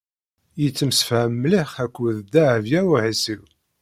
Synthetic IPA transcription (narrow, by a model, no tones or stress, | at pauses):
jət͡sːəmsə̥fʕəmːliχækʷːuðd̪aʕvjæwihisiw